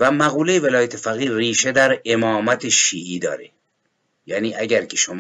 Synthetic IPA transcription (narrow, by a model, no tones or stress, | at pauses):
væmæɣuːlejevelɒːjæt̪ʰefæɣiːriːʃed̪æɾemɒːmæt̪ʰeʃiːʔiːd̪ɒ̰ːɾe | jæːniːʔæɟæɾcʰeʃom